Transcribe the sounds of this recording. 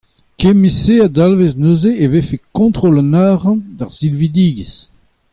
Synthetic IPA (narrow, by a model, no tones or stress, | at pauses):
kemisead̪alveznozeevefekɔ̃t̪χolɑ̃naːʁɑ̃d̪aʁz̥ilvid̪iːɡis